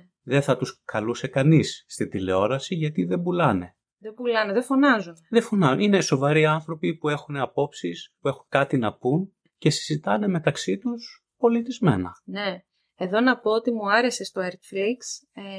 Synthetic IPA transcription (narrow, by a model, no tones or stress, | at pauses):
ðe̞θɐt̪uskɐluse̞kɐnisːt̪ind̪ile̞o̞ɾɐsiʝɐt̪iðe̞bulɐne̞̰ | ðebulɐneðefo̞nɐzunðefonɐine̞so̞vɐɾiɐnθɾo̞pipue̞xune̞ɐpo̞psispue̞xukɐt̪inɐpun | ce̞si̥zit̪ɐne̞me̞t̪ɐksit̪us | po̞lit̪izme̞̰nɐ̰ne̞ | eðo̞nɐpo̞ot̪imuɐɾe̞se̞st̪oeɾt̪fɾiks